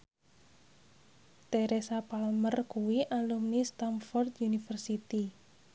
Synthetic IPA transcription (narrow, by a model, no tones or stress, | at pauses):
t̪eɾesapalmərkuwiʔalumnist̪amfɔrt̪junifərsit̪i